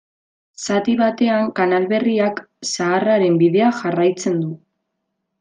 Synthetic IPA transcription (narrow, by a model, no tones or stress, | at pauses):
sat̪iβat̪e̞aŋkanalβe̞riak | saːraɾe̞mbiðe̞aʝarajt͡se̞nd̪u